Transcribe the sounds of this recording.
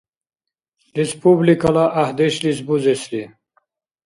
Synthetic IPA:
lispublikalaʔːhd̪eɕlisbuzesli

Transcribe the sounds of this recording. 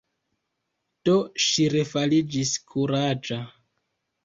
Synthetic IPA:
d̥oʃiɾe̞falid͡ʒiskʰuɾad͡ʒa

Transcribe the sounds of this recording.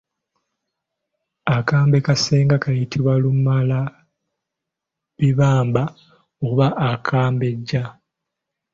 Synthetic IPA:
akaːmbe̞kaseːŋɡakajitʰiβwalumala | βiβaːmba | oβaʔakʰaːmbe̞ɟːa

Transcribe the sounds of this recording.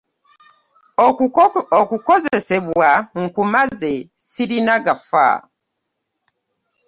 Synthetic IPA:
okuko̞ze̞se̞βwaŋ̩kumaze̞siɾinaɡafa̰

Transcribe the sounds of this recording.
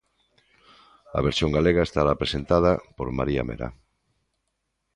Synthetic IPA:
ɐ̰βeɾsjoŋɡaleɣaest̪aɾapɾesent̪að̞apoɾma̰ɾia̰mḛɾa̰

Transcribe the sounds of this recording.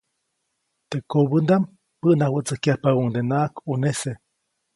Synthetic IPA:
t̪ekobɨnd̪am | pəʔnahwət͡sɨhkahpauŋd̪enakunese

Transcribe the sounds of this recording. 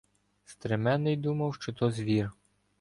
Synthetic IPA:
st̪ɾemɛnːɪjd̪umɐwʃt͡ʃɔt̪ɔzʲʋʲir

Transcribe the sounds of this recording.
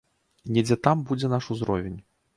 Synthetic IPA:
nʲɛd͡zʲɛt̪ambud͡zʲɛnaʂuzɾɔvʲenʲ

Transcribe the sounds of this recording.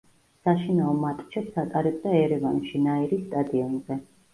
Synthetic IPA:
saʃinaɔmat̪ʰʼt͡ʃʰɛt̪sat̪ʼaɾɛb̚ʼd̪aɛɾɛvanʃinaiɾist̪ʼad̪iɔnzɛ

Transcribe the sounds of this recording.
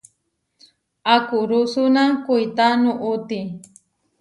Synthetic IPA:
akʊɾʊsʊnakujt̪anʊʔʊt̪i

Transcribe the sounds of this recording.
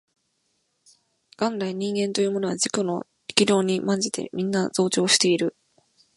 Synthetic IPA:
ɡ̥ãnɾaĩɲ̟ĩŋɡẽ̞nt̪o̞jɯːmo̞no̞βad͡ʑikono̰ | i̥kʲiɾʲo̞ːɲ̟imãɲ̟d͡ʑit̪e̞̰mʲĩnːazo̞ːt͡ɕo̞ːɕi̥t̪e̞iɾɯ̟

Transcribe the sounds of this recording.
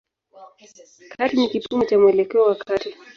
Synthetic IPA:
kʰaɾinikipumɔt͡ʃamwɛlɛkɛɔwakʰati

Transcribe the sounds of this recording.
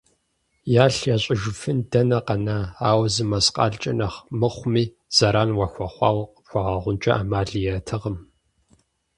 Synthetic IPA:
jaːɬjaːɕʼɪʒʊfɨndɐnɐqɐnaaːwzɨmɐsqʼɑ̰ːɮt͡ʃʼɐ̰nɐχmɨχʷmiː | z̥ɐɾaːnwɐxʷɐχʷɑːwqxʷɑʁɐʁʷʊnt͡ʃʼɐʔaːmaːɮijɛtʰɨʁəm

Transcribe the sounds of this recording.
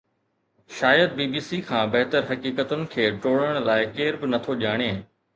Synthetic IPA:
ʃaːjəd̪̚biːbiːsikʰãːbɐɦt̪əɾɦɐkiːkət̪ʊnɪ̆kʰeːʈoːɽəɽ̃laːɪkeːɾbɪnɐt̪ʰoʄaːɽ̃eː

